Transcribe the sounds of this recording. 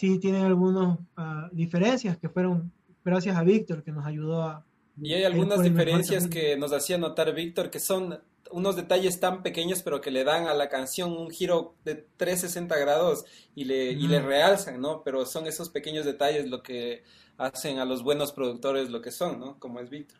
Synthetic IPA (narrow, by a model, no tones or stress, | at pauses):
sit̪je̞neŋalɣunosaðife̞ɾe̞nsjaske̞fwe̞ɾo̞ŋ | ɡɾasjasaβik̚t̪o̞ɾke̞no̞s̬aʝuð̞o̞a | iajalɣɣunazðimfeɾensjaskeno̞s̬asiano̞t̪aɾβik̚t̪o̞ɾke̞so̞n | uno̞zðe̞t̪aʝe̞st̪ampe̞ke̞ɲo̞spe̞ɾo̞ke̞le̞ðaŋalakansjo̞ŋuŋxiɾo̞d̪e̞t̪ɾe̞s̬e̞se̞nt̪aɣɾaðosileilere̞alsaŋno̞pe̞ɾo̞so̞ŋe̞so̞spe̞ke̞ɲo̞zðe̞t̪aʝe̞zlo̞ke̞ | ase̞ŋalo̞zβwe̞no̞spɾo̞ðuk̚t̪o̞ɾe̞zlo̞ke̞so̞ŋːo̞ko̞moe̞zβik̚t̪o̞ɾ